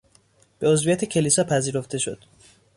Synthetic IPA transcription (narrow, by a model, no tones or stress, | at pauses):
b̥e̞ozvijæt̪ʰecʲʰe̞lisɒpʰæziːɾo̞ft̪ʰe̞ʃo̞̰d̪̥